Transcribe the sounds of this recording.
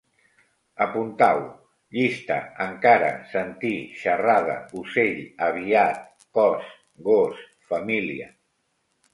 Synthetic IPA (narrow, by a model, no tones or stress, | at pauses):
əpunt̪aw | ʎist̪ə̰əŋkaɾə̰sənt̪iʃərað̞ə̰useʎəβiat̪̚ | kɔs | ɣos | fəmiliə